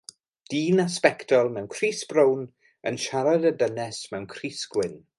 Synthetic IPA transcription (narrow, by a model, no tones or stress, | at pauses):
d̥iːnaspɛktʰɔlˠmɛwnkʰriːsb̥rown | ə̰nʃaɾadədənɛsmɛwnkʰriːsɡ̥wɪn